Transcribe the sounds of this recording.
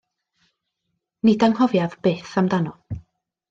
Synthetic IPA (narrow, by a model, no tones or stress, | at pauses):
nidaŋhɔvjaðb̥eːθamdanɔ